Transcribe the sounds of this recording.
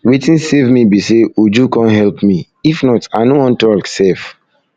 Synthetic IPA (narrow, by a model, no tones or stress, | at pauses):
wetĩnsevmibiseud͡ʒukɔ̃nɦɛlpmi | ifnɔtaɪnowɔ̃ntɔksef